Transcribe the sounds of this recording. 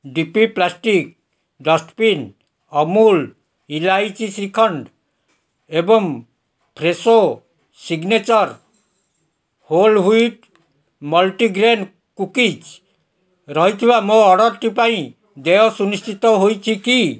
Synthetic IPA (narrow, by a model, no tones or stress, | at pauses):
ɖipiplasʈik̚ | ɖɔsʈpin | ɔmul | ilajt͡ʃisikʰɔɳɖ | ebɔŋ | pʰɾeso | siɡnet͡ʃɔɾ | holɦujt̪ | mɔlʈiɡɾen | kukid͡ʒ | ɾɔɦijt̪ʰibamoɔɽɔɾʈipaĩ | d̪eosunist͡ʃit̪ɔɦojt͡ʃʰiki